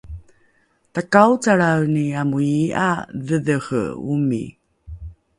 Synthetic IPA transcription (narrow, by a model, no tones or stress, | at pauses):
takawt͡saɭawniamujiʔa̰ðəðəxə̰ṵmḭ